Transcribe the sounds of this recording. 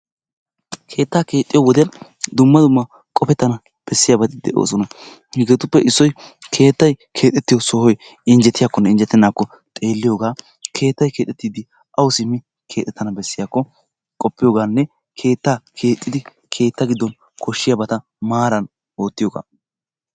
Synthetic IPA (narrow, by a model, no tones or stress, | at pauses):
kʰe̞ːt̪ːaːke̞ːt̪ʼːɪjowɔd̪ɪjɐnd̪ʊmːɐd̪ʊmːɐ | kʼɔpɛt̪ːɐnɐ | b̥ɛsːɪjabɐt̪ɪd̪ɛ̰ʔo̰ːsɔnɐ | hɪɡeːt̪ʊpːɛʔɪsːɔjkʰe̞ːt̪ːɐjkʰe̞ːt̪ʼɛt̪ːɪjɔsɔhɔj | ɪnd͡ʒɛt̪ːɪjaːkːɔnːɛɪnd͡ʒɛt̪ːɛnːaːkːɔ | t̪ʼe̞ːlːɪjo̞ːɡaː | kʰe̞ːt̪ːɐjke̞ːt̪ʼːɛt̪ːiːd̪ɪ | ʔɐwsɪmːɪ | kʰe̞ːt̪ʼːɛt̪ːɐnɐbɛsːɪjaːkːɔ | kʼɔpːɪjoːɡaːnːɛ | kʰe̞ːt̪ːaːkʰe̞ːt̪ʼːɪd̪ɪ | kʰe̞ːt̪ːɐɡɪd̪ːɔn | kʰɔʃːɪjabɐt̪ɐ | maːɾɐn | o̞ːt̪ːɪjoːɡa̰ː